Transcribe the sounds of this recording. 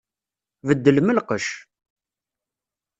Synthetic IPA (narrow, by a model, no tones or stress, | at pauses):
vəd̪ːəlməlqəʃ